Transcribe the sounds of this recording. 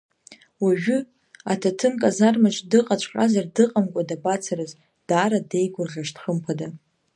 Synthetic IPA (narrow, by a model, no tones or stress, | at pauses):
waʒᶣʏ | atʰatʰɨnkʼazarmat͡ʃʼdɨqʼat͡ʃʷʰqʼazardɨqʼamkʷʼadabat͡sʰaɾɨz | d̥aːɾade̞jɡʷʊrʁʲaʂtχəmpʰada